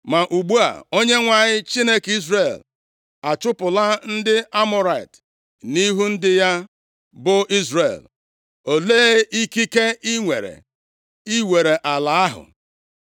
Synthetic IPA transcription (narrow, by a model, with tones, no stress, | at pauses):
ma˨ʔu˨ɡ͡bu˦a̰˨o˦ɲe˦ŋʷa˨ɲɪ˦t͡ʃi˦ne˦ki˦zɾe˨l | a˨t͡ʃʊ˦pʊ˨la˦n̩˦dɪ˦a˦mʊ˦ɾa˨ḭ˨t | ni˦ɦu˦n̩˦dɪ˦ja˦ | bʊ˦ʔi˦zrḛ˨l | o˨leː˦i˦ki˦ke˦i˦ŋʷe˨ɾḛ˨ | i˦we˨ɾe˨ʔa˨la˨a˦ɦʊ̰˨